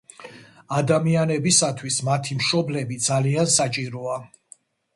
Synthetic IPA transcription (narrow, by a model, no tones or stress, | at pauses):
ad̪amianɛbisat̪ʰwismat̪ʰimʃɔblɛbid̪zaliansat͡ʃʼiɾɔa